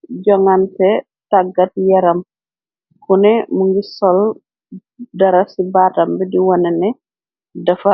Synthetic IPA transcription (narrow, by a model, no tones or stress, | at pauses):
ɟɔŋantɛ | taɡːatjaɾam | kunɛmuŋɡisɔl | daɾasibatambɛdiwɔnɛnɛ | dafa